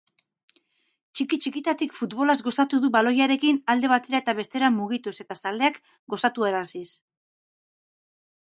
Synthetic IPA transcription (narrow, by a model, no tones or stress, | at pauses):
t͡ʃikit͡ʃikit̪at̪ikfut̪βo̞lazɡo̞sat̪uðuβalo̞jaɾe̞kinald̪e̞β̞at̪e̞ɾae̞t̪aβ̞e̞st̪e̞ɾamuɣit̪use̞t̪asald̪e̞ak | ɡo̞sat̪ueɾasis